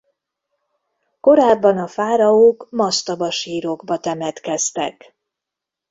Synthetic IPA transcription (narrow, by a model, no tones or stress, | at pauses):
ko̞ɾaːbːɒnɒfaːɾɒokmɒst̪ɒbɒʃiːɾoɡbɒt̪ɛmɛt̪kɛst̪ɛ̰k